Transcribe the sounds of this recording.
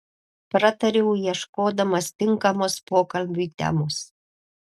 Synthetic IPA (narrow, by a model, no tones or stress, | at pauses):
pɾɐt̪ɐɾʲɛʊjiɛʃkoːd̪ɐmɐst̪ʲɪŋkɐmoːspoːkɐlʲbʲuːt̪ʲɛ̰moːs